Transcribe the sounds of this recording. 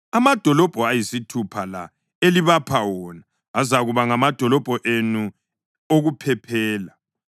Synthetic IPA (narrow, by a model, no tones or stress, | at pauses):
amad̥ʱɔlɔb̥ʱɔajisitʰupʰala̰ | eliβapʰawɔnaː | zaɣuβaŋamad̥ʱɔlɔb̥ʱɔʔenu | oɣupʰɛpʰɛːla